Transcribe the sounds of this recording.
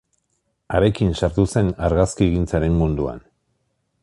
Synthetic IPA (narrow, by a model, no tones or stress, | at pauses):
aɾe̞kinsaɾt̪use̞naɾɣaskieɣint͡saɾe̞mmund̪ua̰n